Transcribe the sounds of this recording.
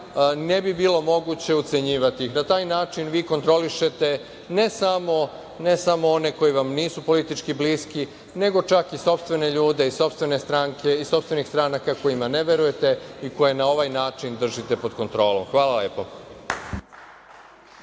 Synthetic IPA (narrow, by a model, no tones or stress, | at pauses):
ne̞bibiːlo̞mo̞ɡut͡ɕe̞ut̪se̞ɲiːʋat̪iixnat̪aːjnaːt͡ʃinʋiːko̞nt̪ɾo̞liʃe̞t̪e̞ | ne̞samo̞ | ne̞samo̞o̞ne̞ko̞jiʋamniːsupo̞lit̪it͡ʃkibliːski | ne̞ɡo̞t͡ʃakiso̞pst̪ʋe̞ne̞ʎuːd̪eiso̞pst̪ʋe̞ne̞st̪ɾaŋkʰe̞iso̞pst̪ʋe̞nixst̪ɾanakako̞jimane̞ʋe̞ɾuje̞t̪e̞iko̞je̞nao̞ʋajnaːt͡ʃind̪r̩ʒit̪e̞po̞d̪̥ko̞nt̪ɾo̞ːlˠo̞̰mxʋaːlaleːpo̞